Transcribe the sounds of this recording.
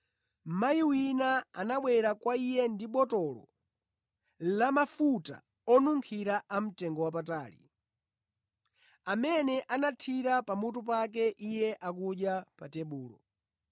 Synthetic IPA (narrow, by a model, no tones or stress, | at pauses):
m̩majiwinaa̰naɓwɛɾakwaijɛndiɓɔtɔlɔ̰ | lamafuta̰ | ɔnuŋkʰiɾaʔam̩tɛŋɡɔwapataːlḭ | amɛnɛʔanatʰiɾapamut̬up̬ak̬ɛʔijɛʔak̬uɗjapatɛɓuːlɔ̰